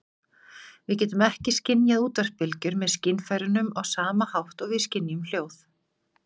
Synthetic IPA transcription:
vɪðcɛːt̪ʏmɛhcɪscɪnjaðuːt̪ar̥pɪlcʏɾmɛðscɪnfajɾʏnʏmɔɣsaːmahawht̪ɔɣvɪ̥scɪnːiʏml̥joːwθ

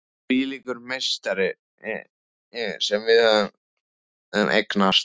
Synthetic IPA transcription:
iːlikʏɾmejst̪aɾɪ | sɛmvɪðœðn | ɛnʔḛjknast̪

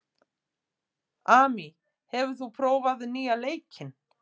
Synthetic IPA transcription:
aːmi | hɛvʏ̥θupʰɾoːwvaðʏniːaleːjcʰɪn

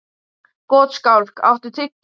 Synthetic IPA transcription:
kɔːt̪skawl̥ka̰wht̪ʏt̪ʰɪcː

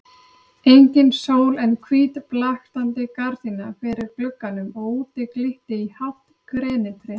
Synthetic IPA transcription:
ejɲcɪnsoːwlɛnkʰviːt̪plaxt̪ant̪ɪkaɾðinafɪɾɪɾklœkːanʏmɔɣuːt̪ɪklɪht̪ɪihawt̪kʰɾɛːnɪt̪ʰɾɛ

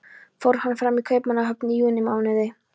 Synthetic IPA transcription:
fɔɾ̥hanfɾamikʰœɥpmanaɦœk̪̚niːʏnːɪmaːwnɛðɪ

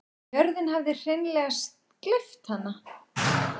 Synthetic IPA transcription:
œɾðɪnɦavðɪr̥ejnlɛɣast̪̚ | klɪft̪hanːa

